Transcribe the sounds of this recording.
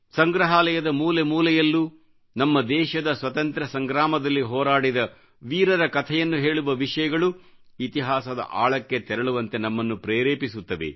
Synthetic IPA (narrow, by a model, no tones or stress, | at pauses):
sɐŋɡɾɐɦaːlɛjɐd̪ɐmuːlemuːlɛjɐlːu | nɐmːɐd̪ɛːʃɐd̪ɐsʋɐt̪ɐnt̪ɾɐsɐŋɡɾaːmɐd̪ɐlːiɦɔːɾaːɽid̪ɐ | ʋiːɾɐɾɐkɐt̪ʰɛjɐnːuɦe̞ːɭuʋɐʋiʂɐjɐɡɐɭu | it̪iɦaːsɐd̪ɐ̰ʔa̰ːɭɐkːet̪ɛɾɐɭuʋɐnt̪e̞nɐmːɐnːupɾeːɾeːpisut̪ːɐʋḛ